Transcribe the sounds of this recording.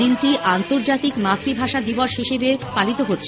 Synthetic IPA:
inʈiʔant̪oɾd͡ʑat̪ikmat̪ɾibʱaʃad̪iboʃɦiʃebepalit̪oɦotːɕʰ

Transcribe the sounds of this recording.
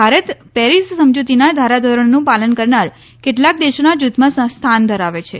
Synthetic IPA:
bʱaɾət̪pɛɾissəmd͡ʒut̪inad̪ʱaɾad̪ʱəɾəɳnũpalənkəɾnaɾ | keʈlak̚d̪eʃonad͡ʒut̪mãsst̪ʰand̪ʱəɾaʋet͡ʃʰe

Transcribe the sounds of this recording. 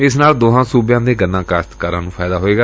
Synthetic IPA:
ɪsnaːld̪oːɦãːsuːbjãːd̪eːɡənːãːkaːst̪kaːɾãːnũːpʰaːd̪aːɦoːeːɡaː

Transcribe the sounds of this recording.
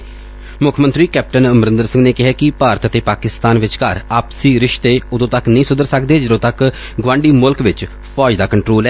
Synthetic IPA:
mʊkʰmənt̪ɾiːkɛːp̚ʈənəmɾɪ̃nd̪əɾsɪ̃ŋɡneːkɪɦɛːkɪpaːɾət̪ət̪eːpaːkɪst̪aːnʋɪt͡ʃkəɾaːpsiːɾɪʃt̪eːʊd̪õːt̪əknəĩːsʊd̪əɾsəkd̪eːd͡ʒəɾõːt̪ək | ɡʋãːɳɖiːmʊlkʋɪt͡ʃ | pʰɔːd͡ʒd̪aːkəɳʈɾoːlɛː

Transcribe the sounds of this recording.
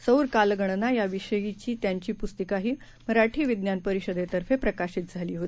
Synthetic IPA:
səwɾkalɡəɳ̃najaʋiɕəjit͡ɕiːt̪jaɲt͡ɕiːpust̪əkaɦiː | məɾaʈʰiːʋid̪njanpəɾiɕəd̪et̪əɾfepɾəkaɕiːt̪̚d͡zʱaliːɦot̪ii̥

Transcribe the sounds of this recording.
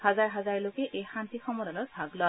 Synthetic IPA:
hazaɹɦazaɹlokɛʔejxant̪ixɔmɔdalɔtbʱaɡlɔ

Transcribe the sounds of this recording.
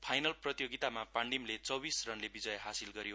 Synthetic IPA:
pʰajnʌlprʌt̪joɡit̪amapaɳɖimlet͡sʌbisrʌnlebid͡zʌjɦasilɡʌɾijo

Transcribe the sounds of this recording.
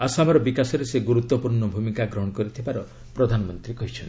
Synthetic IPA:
asɔɦamɔɾɔbikasɔɾeseɡuɾut̪wɔpuɾɳɔbʱumikaɡɾɔɦɔ̃ɽ̃ɔkɔɾit̪ʰibaɾɔ | pɾɔd̪ʱanɔmɔnt̪ɾikɔɦit͡ʃʰɔn

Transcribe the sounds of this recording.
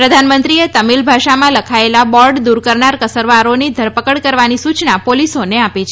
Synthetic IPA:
pɾəd̪ʱanmənt̪ɾiet̪əmilbʱaʃamãləkʰaelabɔɾɖd̪uɾkəɾɳaɾkəsəɾʋaɾonid̪ʱəɾpəkəɽkəɾʋanisut͡ʃnapolisoneapet͡ʃʰe

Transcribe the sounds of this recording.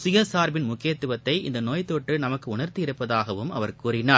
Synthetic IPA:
sʊjɐsaːɾbɪnmʊkːɪjɐt̪ːɯʋɐt̪ːɐɪɪ̰nd̪ɐnoːjt̪oːʈːɯnɐmɐkːɯʊɳɐɾt̪iɪɾɯpːɐðaːɣɐʋɯmɐ̰ʋɐɾkuːrɪnaːɾ

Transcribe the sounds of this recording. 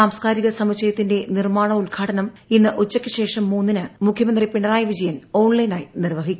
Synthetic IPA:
aːmskaːɾiɣɐsɐmut͡ɕɐjɐt̪ːinde̞nirmaːɳɐulɡʰʱaːʈɐnɐminːɨʔut͡ɕːɐkʲːɨɕe̞ːʂɐmːuːnːinɨmukʰjɐmɐnd̪ripiɳɐraːjɐʋid͡ʑɐjɐno̞ːɳlɐjnaːjinirʋɐɦikʲːu

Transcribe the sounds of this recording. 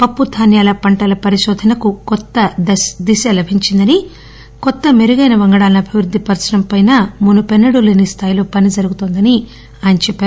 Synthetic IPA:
pɐpːud̪ʱaːnjaːlɐpɐɳʈɐlɐpɐɾiʃɔːd̪ʱɐnɐkukɔt̪ːɐd̪isɐlɐbʱiɲt͡ʃind̪ɐni | kɔt̪ːɐmeɾuɡɐjnɐʋɐŋɡɐɽaːlnɐːbʱiʋɾud̪ʱːipɐɾsnɐmpɐjnaːmunupenːɐɽuleːnist̪ʰaːjilo̞ːpɐnid͡ʒɐɾuɡut̪oːnd̪ɐni | aːjɐnɐt͡ʃɛpːaːɾ

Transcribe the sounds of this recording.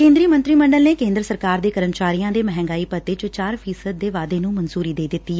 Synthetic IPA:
kẽːnd̪ɾiːmə̃nt̪ɾiːməɳɖəlneːkẽːnd̪ɾəsəɾkaːɾd̪eːkəɾəmt͡ʃaːɾiːjãːd̪eːmɛɦɛ̃ːŋɡaːiːpət̪ːeːt͡ʃʊt͡ʃaːɾpʰiːsəd̪̚ːeːʋaːd̪eːnũːmənsuːɾiːd̪eːd̪ɪt̪ːiː

